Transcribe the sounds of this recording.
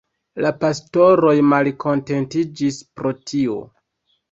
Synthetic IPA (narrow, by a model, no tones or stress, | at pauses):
lapasto̞ɾo̞jmalkʰo̞nte̞ntid͡ʒispɾo̞tʰio̞̰